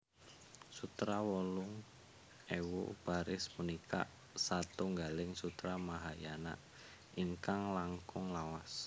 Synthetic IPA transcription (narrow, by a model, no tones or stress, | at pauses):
sut̪ɾawɔlʊŋ | ewṵb̥aɾɪsmunika̰ | sat̪uŋɡalɪŋsut̪ɾamaɦajana̰ | ʔiŋkaŋlaŋkʊŋlawas